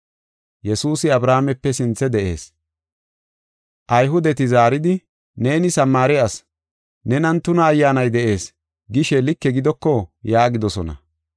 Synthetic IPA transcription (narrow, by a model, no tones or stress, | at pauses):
jɛsuːsɪɐbɾaːmɛpːɛsɪnt͡sːɛd̪ɛʔe̞̰ːs | ʔɐjɦʊd̪ɛt̪ɪzaːɾɪd̪ɪ | ne̞ːnɪsɐmːaːɾɪɐs | nɛnɐnt̪ːʊnɐːjːaːnɐjd̪ɛʔe̞ːs | ɡɪʃɛlɪkːɛɡɪd̪ɔkːɔjaːɡɪd̪ɔsɔnɐ̰